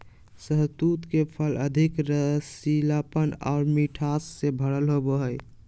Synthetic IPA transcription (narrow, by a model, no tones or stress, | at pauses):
səɦzd̪ut̪kepʰələd̪ʱikɾəsilapəna̰ʊɾmiʈʰasːebʱəɽəlɦoboɦəj